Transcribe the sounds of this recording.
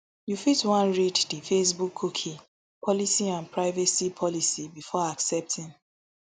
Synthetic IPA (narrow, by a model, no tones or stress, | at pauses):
jufitwãnɹiddifes̬bukʰːukʰi | pʰɔlisiãnpʰɹaɪvɛsipʰɔlisibifɔaksɛp̚tʰĩn